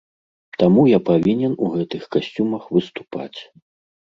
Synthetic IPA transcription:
t̪amujapavʲinʲɛnuɣɛt̪ɨxkasʲt͡sʲumɐxvɨst̪u̥pa̰t͡sʲ

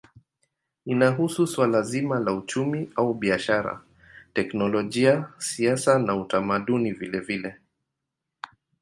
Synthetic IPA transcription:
inaɦususwalazimalaut͡ʃumiʔauɓiaʃaɾa̰ | tɛknɔlɔʄiasiasanautamaɗunivilɛvilɛ

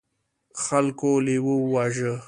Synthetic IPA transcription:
xalkolewəwaʒə

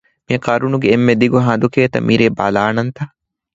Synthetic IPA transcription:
miɐkɐɾunuɡeːmːed̪iɡuɦɐd̪ukeːt̪ɐ̰mʔiɾeːba̰laːnɐnt̪ɐ

